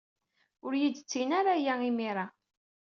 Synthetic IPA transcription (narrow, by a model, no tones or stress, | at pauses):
ʊɾjid̪t͡sːinaɾajaimiɾˤa